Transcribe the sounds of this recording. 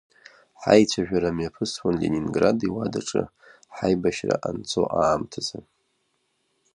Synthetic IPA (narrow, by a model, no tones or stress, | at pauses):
ħajt͡ɕʷʰaʒᶣaɾamjapʰɨswanleninɡradiwadaʈ͡ʂʼɨ | ħajbaʃra̰ʔant͡sʰʼoʔaːmtʰaza